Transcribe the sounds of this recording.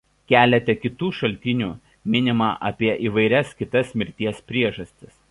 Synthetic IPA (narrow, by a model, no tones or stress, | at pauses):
kʲæːlʲɛt̪ʲɛkʲɪt̪uːʃɐlʲt̪ʲɪnʲuː | mʲɪnʲɪmɑːʔɐpʲiɛʔiːʋɐɪɾʲɛskʲɪt̪ɐsmʲɪɾʲt̪ʲiɛspʲɾʲiɛʒɐsʲt̪ʲɪs